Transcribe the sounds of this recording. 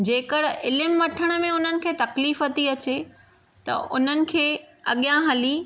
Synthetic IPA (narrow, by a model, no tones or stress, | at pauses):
d͡ʑeːkəɽ̤ɪlɪmʋɐʈʰəɽ̃ə̆mẽʊn̤ənɪ̆kʰeːt̪ɐkliːfɐt̪iɐt͡ɕe | t̪ɐ̰ʔʊn̤ənɪ̆kʰeːɐɠijãɦɐli